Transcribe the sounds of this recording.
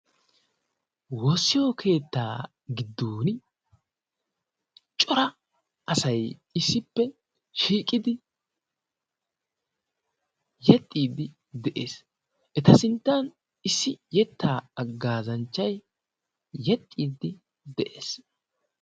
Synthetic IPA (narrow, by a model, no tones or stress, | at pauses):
wosːɪjokʰe̞ːt̪ːaː | ɡɪd̪ːuːn | t͡ʃʼɔɾɐ | ɐsɐjɪsːɪpːɛ | ʃiːkʼɪd̪ɪ | jɛt̪ʼːiːd̪ɪ | d̪ɛʔḛːs | ʔɛt̪ɐsɪnt̪ːɐn | ɪsːɪjɛt̪ːaːɐɡːaːzɐnt͡ʃːɐj | jɛt̪ʼːiːd̪ɪ | d̪ɛʔeːs